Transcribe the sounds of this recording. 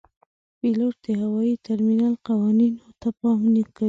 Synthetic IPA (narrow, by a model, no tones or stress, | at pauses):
piloʈ̚d̪̥eɦawɑit̪aɾminalqawɑninot̪apɑmnika